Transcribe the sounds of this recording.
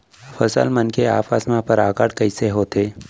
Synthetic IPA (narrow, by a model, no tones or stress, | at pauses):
fəsə̰lmənkea̰ːfasmãpəɾaːkaːɽkəiseɦoːt̪eː